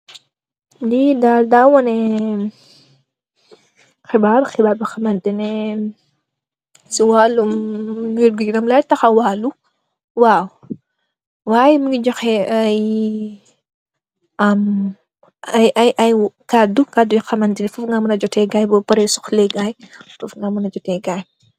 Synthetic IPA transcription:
didaːldawɔnɛ | xibaːɾxɪbaːɾbixɐmɐndinɛ | siwaːlumjuɾɡuɡinɐmlajtɐxɐwalːu | waːw | waːjɛmuŋɡid͡ʒɔxɛɐj | ɐm | ɐjɐjʔɐjkadukadujixɐmɐndinɛfɔfŋɡamunɐd͡ʒɔtɛɡaːjbɔpɐɾɛsuxlɛɡajtɔfŋɡamunɐd͡ʒɔtɛɡaj

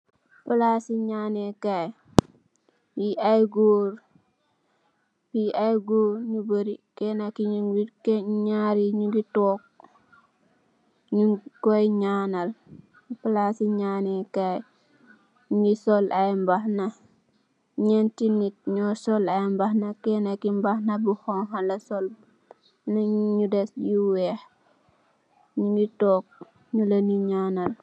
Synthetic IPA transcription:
pəlasiɲaːnekaj | wiʔajɡoːɾ | biajɡoːɾɲubəɾikenakiɲŋwikeɲaːɾiɲuɡitoːk̚ | ɲukojɲaːnɐl | pəlasiɲaːnekaj | ɲuisɔlʔajmbahnɐ | ɲɛntinit̚ɲɔsɔlɐjmbahnɐkɛnakimbahnɐbuhɔnɦalɐsɔl | naɲudɛsjuwɛh | ɲuditɔːk̚ | ɲulɐniɲaːnɐl

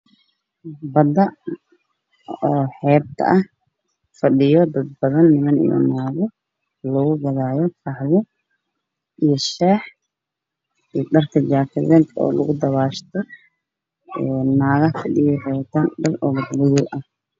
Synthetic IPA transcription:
bɐd̪ɐ | ɔːħɛːb̚t̪ʰɐ̰ʔɐh | fɐɗɪjɔd̪ɐd̪̚bɐðɐnːɪmɐnḭjɔ̰naːɣɔ | lɔɣʊɡɐðaːjɔfɐħlɪ | ʔijɔʃɛːħ | id̪ɐrk̪ʰɐd͡ʒaːk̪ʰɐðɛːt̪ʰɔ̰ːlɐ̰ɣʊd̪ɐβaːʃt̪ʰɔ | ɛːaːɣɐfɐɗɪjɔħɛːβt̪ʰaːnɖɐlɔɣɐd̪lɐjɪlʔɐh

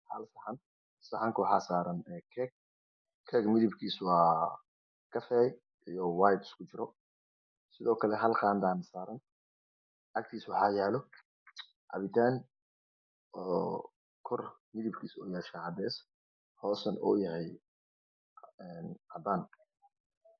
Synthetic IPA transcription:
hɐ̰lsɐħɐn | sɐħaŋkʰʊwɑħɑ̰ːsaːɾɐnɛːkʰɛɡ̚ | kʰɛːɡmɪðɪbkʰiːswɑː | kʰɐfɛːj | ʔijɔwaːjd̪ɪskʰʊt͡ʃɪɾɔ | sɪðɔːkʰɐlɛɦɐlqɑːnd̪aːnsaːɾɐn | ʔɐk̚t̪ʰiːswɑħɑːjaːlɔ | ʔɐ̰βɪt̪ʰaːn | ɔː | kʰɔrmɪðɪbkʰiːsɔːjahʃaʕɐd̪ɛːs | hɔːsɐnɔ̰ːjɐɦɛj | ɛnʔɐd̪aːn

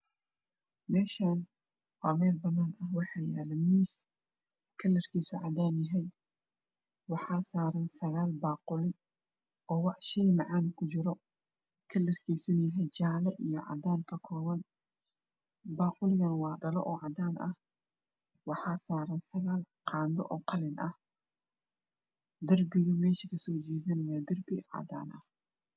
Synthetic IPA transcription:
mɛːʃaːn | wɑːmɛːlbɐnːaːnɐwɑħɑːjaːlɛmiːs | kʰɐlːɐrkʰiːsʊʕɑ̰d̪aːnjɐɦɛj | wɑħɑːsaːɾɐnsɐɣaːlbaːqʊlɪ | ʔɔːwɑʕʃijmɑʕaːnkʰʊt͡ʃɪɾɔ | kʰɐlːɐrkʰiːsʊnjɦɛjt͡ʃaːlɛʔijɔʕɑ̰d̪aːnkʰɐkʰɔːβɐn | baːqʊlɪɣɐnwɑːɖɐlɔ̰ʔɔːʕɑd̪aːnʔɐh | wɑħɑːsaːɾɐnsɐɣaːl | qʰɑːnd̪ɔ̰ʔɔːqʰɑlɪnʔɐh | d̪ɐrbɪɣʊmɛːʃɪkʰɐsɔːt͡ʃɛːðɐnɐjaːd̪ɐrbɪʕɑ̰d̪a̰ːnʔɐh

